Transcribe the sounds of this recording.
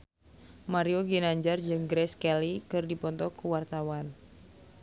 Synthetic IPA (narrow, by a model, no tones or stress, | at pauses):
maɾioɡinaɲd͡ʒard͡ʒɨŋɡɾɛskɛlikɨrdipɔnt̪ɔkuwart̪awan